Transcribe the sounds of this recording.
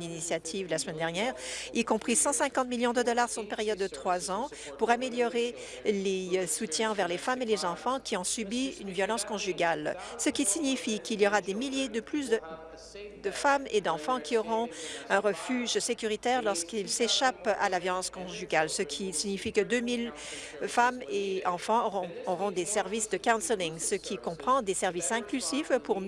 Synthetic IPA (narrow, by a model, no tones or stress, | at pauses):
ninisjat̪ʰivlasəmɛnd̪ɛʁnjɛːʁikɔ̃pχisɑ̃sɛ̃kɑ̃t̪miljɔ̃d̪əd̪ɔlaʁsɔ̃peʁjɔd̪ːət̪χwazɑ̃ | puʁameljɔʁe | lesut̪jɛ̃ɑ̃vɛʁlefamelezɑ̃fɑ̃kʲʰiɔ̃sybiynvjɔlɑ̃skɔ̃ʒyɡalsəkʲisiɲifikiljɔʁad̪emiljed̪əplys̬d̪ə | d̪əfamed̪ɑ̃fɑ̃kʲiɔʁɔ̃ɛ̃ʁəfyːʒsekʲyʁit̪ɛːʁlɔʁskilseʃapa̰lavjɔlɑ̃skɔ̃ʒyɡalsəkʲʰisiɲifikəd̪ømil | fameɑ̃fɑ̃ɔʁɔ̃d̪esɛʁvisd̪əkãw̃nsəliŋsəkʲikɔ̃pχɑ̃d̪esɛʁvisɛ̃klyzifpuʁ